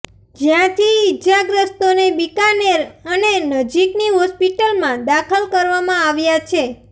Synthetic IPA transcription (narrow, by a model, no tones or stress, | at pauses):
d͡ʒjãt̪ʰiɪd͡ʒaɡɾəst̪onebikaneɾənenəd͡ʒikniɦɔspiʈəlmãd̪akʰəlkəɾʋamãaʋjat͡ʃʰe